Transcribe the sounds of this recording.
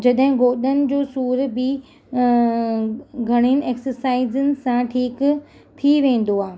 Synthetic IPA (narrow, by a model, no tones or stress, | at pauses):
d͡ʑɐɗɦɪ̃ɡoːɗənɪ̆d͡ʑoːsuːɾbɪ | ɡʱɐɽ̃inɪ̆ʔeːksəɾsaːɪzənɪ̆sãʈʰiːk | t̪ʰiʋẽːn̆d̪oaːɦe